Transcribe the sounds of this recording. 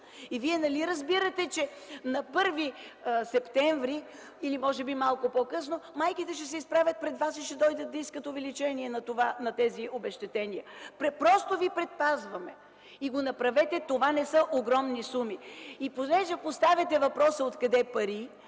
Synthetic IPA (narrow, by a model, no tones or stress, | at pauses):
iviɛnɐliɾəzbiɾət̪ɛt͡ʃɛ | nɐpɤɾvisɛpt̪ɛɱvɾi | ilimɔʒɛbimalˠkopɔkɤsnomajkit̪ɛʃɛsɛispɾavʲət̪̚pɾɛd̪vasiʃɛd̪ɔjd̪ət̪̚ːɐiskət̪ovɛlit͡ʃɛniɛnɐt̪ovanɐt̪ɛziobɛʃt̪ɛt̪ɛniəpɾɛpɾɔst̪ovipɾɛt̪̚pazvɐmɛ | iɡonɐpɾɐvɛt̪ɛt̪ovanɛsɤʔoɡɾɔmnisumiipozlɛʃɐkost̪avʲɐt̪ɛvɐpɾɔsəot̪kɐd̪ɛpɐɾi